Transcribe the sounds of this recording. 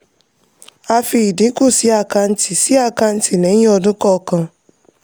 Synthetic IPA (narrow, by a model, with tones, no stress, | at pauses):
a˧fi˧i˨dĩ˨˦ko˦˨si˨˦a˦˧ka˧n̩˦ti˨si˨˦a˦˧ka˧n̩˦ti˨nɛ̃˨˦ĩ˦ɔ˧dũ˦kɔ˦˧kã˧